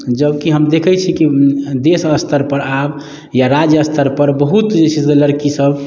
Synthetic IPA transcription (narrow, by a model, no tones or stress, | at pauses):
d͡ʒəbkiɦəmd̪ekʰɛt͡ʃʰikid̪esəst̪ʰəɾpəɾab | jaɾad͡ʒjəəst̪ʰəɾpəɾbəɦut̪d͡ʒet͡ʃʰizeləɾkisəb